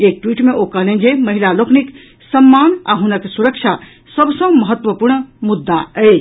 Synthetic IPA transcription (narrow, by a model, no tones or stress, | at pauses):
ek̚ʈwiʈmeʔokəɦlend͡ʒeməɦilaloknik | səmːana̰ɦunəksuɾəkt͡ʃʰa | səbʱsə̃məɦət̪ːʋəpuɾɳmud̪ːaə